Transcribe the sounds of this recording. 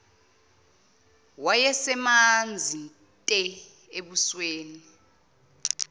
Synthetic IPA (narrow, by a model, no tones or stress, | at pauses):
wajɛsɛmand͡zʱin | tʼɛ | eɓusweːni